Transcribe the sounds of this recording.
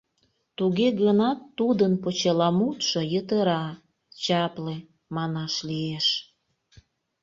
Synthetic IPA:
t̪uɣeɣənɑt̪ːud̪ənpot͡ɕelɑmut̪ʃojət̪əɾɑ | t͡ɕɑple | mɑnɑʃlieʃ

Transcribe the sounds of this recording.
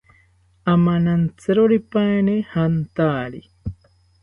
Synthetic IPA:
amanant͡sɨɾoɾipaenehant̪aːɾi

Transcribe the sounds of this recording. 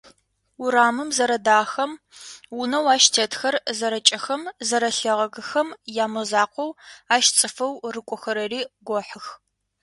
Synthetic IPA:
ʊɾaːmɨmzɐɾɐdaːxɐm | wʊnɐwaːʃtʰetxɐrzɐɾɐt͡ʃʼɐxɐmzɐɾɐɬɐʁɐɣɨxɐmjaːmɐzaːqʷɔwaːʃt͡sʼɨfɐwrɨkʷʼɔxɐɾɐriːɡʷɔħɨx

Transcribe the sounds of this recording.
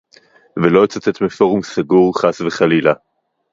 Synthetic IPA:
velo̞t͡sat͡set̪mifo̞ʁumsaɡuʁχasveχalila

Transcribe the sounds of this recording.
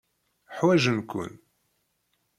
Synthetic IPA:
ħwæʒənkʷə̰n

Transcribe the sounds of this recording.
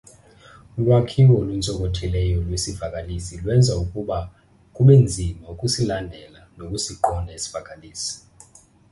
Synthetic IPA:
ul̬ʼwakʰiwɔlunt͡sʼɔk̬ʼɔtʰɛlɛjɔlwesivakʼalisilwɛnd͡zʱaukʼuɓa | kʼuɓɛnd͡zʱimaukʼusilandʱɛlanokʼusiǃɔnʱaesi̥v̥akʼaliːsi̥

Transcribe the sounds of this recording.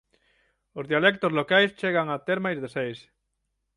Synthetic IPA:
ozðialek̚t̪ozlokajst͡ʃeɣaŋat̪eɾmajzðesejs

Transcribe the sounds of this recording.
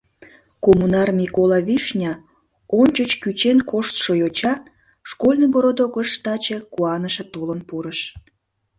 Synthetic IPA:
komunɑrmʲikolɑβiʃnʲɑ | onʲt͡ɕət͡ɕkyt͡ɕenkoʃt̪ʃojot͡ɕɑ | ʃkolʲnəɡoɾod̪oɣəʃt̪ɑt͡ɕekuɑnəʃĕt̪ulənpuɾəʃ

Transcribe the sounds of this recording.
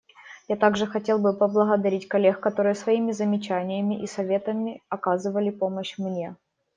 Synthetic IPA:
jat̪aɡʐɨxɐtʲe̞lˠbɨpəblˠəɣəd̪ɐɾʲitʲkɐlʲːe̞xkɐt̪o̞ɾɨjəsvɐimʲɪzəmʲɪt͡ɕænʲɪjəmʲɪʔisɐvʲe̞t̪əmʲɪɐkazɨvəlʲɪpo̞məɕmnʲe̞

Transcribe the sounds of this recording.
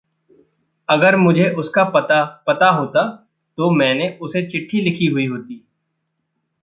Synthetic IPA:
ɐɡəɾmʊd͡ʒʱeʔʊskapt̪apɐt̪aɦoːt̪a | t̪omɛ̃ːneʔʊset͡ʃɪʈʰːilɪkʰiɦʊiɦoːt̪iː

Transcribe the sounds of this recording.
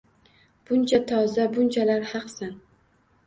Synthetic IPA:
b̥ʊnt͡ʃʰat̪ʰɒzabʊnt͡ʃʰalaɾhɑqsan

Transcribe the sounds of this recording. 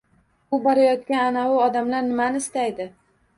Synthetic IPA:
ʊbɒɾajɒt̪kʲananawʊɒd̪amlaɾnɪmanɪɪst̪ajd̪ɪ

